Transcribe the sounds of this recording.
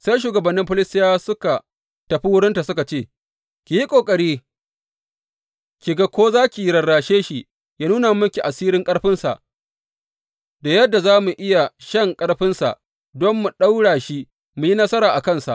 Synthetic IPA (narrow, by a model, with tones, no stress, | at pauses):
sa˦jʃ̬uː˨ɡɐ˨bɐ˨nːɪ˦mɸʊ˦lɪ˦stɪ˦jaː˦sʊ˦ka˨ | tɐ˨ɸi˦wʊ˦ɽɪ˦nta˨sʊ˦ka˨t͡ʃeː˦˨ | kʲi˨ji˦kʷʼoː˨kʼɐ˨ɽiː˦ | kʲi˨ɡa˦kʷoː˦zaː˦kʲi˨ji˦ɽɐ˨ɽːaː˨ʃeː˦ʃi˦ | jaː˦nuː˦na˨m˦mʊ˦ŋkʲi˨ʔa˨siː˦ɾɪ˦ŋkʼɐ˦ɽɸɪ˦nsa̰˨ʔ | da˨jɐ˦dːa˨zaː˦mu˨ʔɪ˦ja˨ʃɐ˦˨ŋkʼɐ˦ɽɸɪ˦nsa̰˨ʔ | dɔ˦mːu˨ɗa˦wɽaː˨ʃi˦ | mu˨ji˦nɐ˦sɐ˦ɾaː˨ʔa˨kɐ˦˨nsa̰˨ʔ